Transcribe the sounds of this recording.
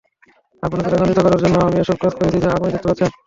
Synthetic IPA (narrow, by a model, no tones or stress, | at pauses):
aponok̪eɾaɡand̪it̪okɔɾaɾd͡ʑonːoamieʃɔb̚kɾot̪koɾet͡ɕʰid͡ʑaabonid̪ekt̪epatt͡ɕʰen